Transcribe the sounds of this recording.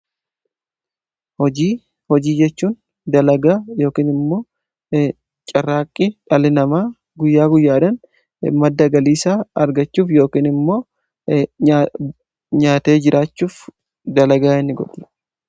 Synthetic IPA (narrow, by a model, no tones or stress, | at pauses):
hɔd͡ʒiː | hɔd͡ʒiːd͡ʒɛt͡ʃːuːn | d̪ɐlɐɡaːjo̞ːkiːnɪmːo̞ː | t͡ʃʼɐrːaːkʼːɪᶑɐlɪnɐmaː | ɡʊjːaːɡʊjːaːᶑɐn | mɐd̪ːɐɡɐliːsaːɐɾɡɐt͡ʃːuːfjo̞ːkiːnɪmːo̞ː | ɲaːt̪e̞ːd͡ʒɪɾʔaːt͡ʃːuːf | d̪ɐlɐɡaːɪnːɪɡɔ̰ᶑ̪ɛ̥